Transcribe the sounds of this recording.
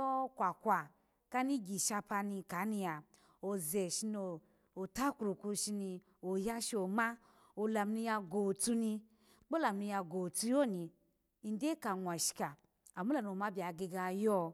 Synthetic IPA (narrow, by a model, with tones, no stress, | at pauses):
ɔ˦kʷa˨kʷa˨ | ka˦ni˦ɡi˨ʃa˧pa˧ni˧ka˨˦ni˧a˨ | o˨ze˨ʃi˧noː˨ | ta˦ku˨ɾu˨ku˧ʃi˧ni˧ | o˨ja˦ʃo˨ma˦ | o˨la˨m˦ni˧ja˧ɡo˨tu˧ni˧˦ | k͡po˦la˨mni˧ja˧ɡo˨tu˧jo˦˨ni˧ | i˨n˦de˦ka˨ŋʷ˨a˨ʃi̥˨ka˨ | a˨mu˦la˨n˨o˨ma˦bʲa˨ɡe˧ɡa˧jɔ˦